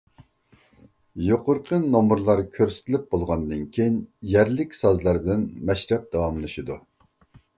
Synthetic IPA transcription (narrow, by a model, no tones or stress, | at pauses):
joqʰʊɾqʰənomuɾlˠɑɾkʲʰøɾsɪ̥t̪ʰɪlɪp̚bolˠʁɑnd̪ɨnkʲʰejinjɛɾlɪkʲsɑzlˠɑɾd̪ɪnmɛʃɾɛp̚d̪̥ɑwɑmlˠɨʃid̪u